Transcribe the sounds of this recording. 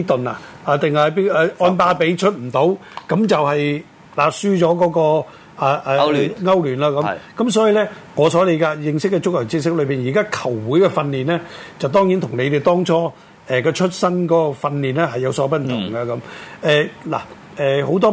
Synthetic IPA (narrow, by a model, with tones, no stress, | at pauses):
i˥t̪ɵ˨na̰˨aː˨t̪ɪ˨ŋɐ˨pi˥ɛ˨˧ʔɔː˧npaː˧pe˨˥jt͡ʃʰɵ˥t̚m̩˨˩t̪o˨˥wkɐ˨˥mt͡sɐ˨whɐ˨j | laː˨˩syː˥t͡ʃɔː˨˥kɔː˨˥kɔː˧ | a˨ʔɛː˨ŋɐ˥wlyː˨˩nlaː˧kɐ˨˥kɐ˨˥msɔː˨˥jiː˨˧lɛː˥ŋɔː˨˧sɔː˨˥le˨˧jkaː˧jɪ˨ŋsɪ˥kːɛ˧t͡sʊ˥k̚jɐː˨˩ŋt͡siː˧s̬ɪ˥k̚lɵ˨˧ɥpiː˨njiː˨˩kaː˥kʰɐ˨˩wːuː˨˥jkɛ˧fɐ˧nliː˨nlɛː˥t͡sɐ˨wt̪ɔː˥ŋjiː˨˥nt̪ʰʊ˨˩ŋle˨˧t̪e˨jt̪ɔː˥ŋt͡sʰɔː˥ | ɛ˨kɔː˧t͡ʃʰɵ˥t̚sɐ˥nkɔː˨˥kɔ˧fɐ˧nliː˨˩nlɛː˥ɦɐ˨jɐ˨˧wsɔː˨˥p̬ɐ˥m̩˨˩t̪ʰʊ̰˨˩ŋɡɐ˧kɐ˨˦mɛː˨˧la̰ː˨˩ | ɛː˨ho˨˧˥wt̪̬ɔː˥